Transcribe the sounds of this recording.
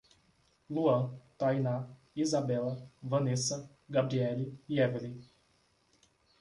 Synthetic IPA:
luɐ̃t̪ajna | izabɛlɐvɐ̃nesɐ | ɡabɾiɛliɛveli

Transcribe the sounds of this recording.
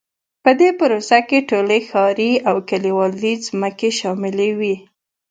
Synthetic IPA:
pəd̪epʊɾosakeʈolexɑɾiawkaliwɑlizməkeʃɑmɪlewi

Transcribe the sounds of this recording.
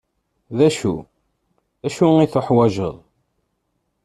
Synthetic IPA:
ðæʃṵ | æʃuiθoħwæʒə̰ðˤ

